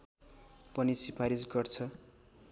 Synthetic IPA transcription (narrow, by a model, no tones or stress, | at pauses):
pʌnisipʰaɾisɡʌrt͡sʰʌ